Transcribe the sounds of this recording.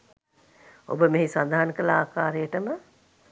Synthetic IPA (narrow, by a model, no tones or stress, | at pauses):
o̰bəmeɦisad̪ʱaɦankəlaːkaːɾejəʈəmə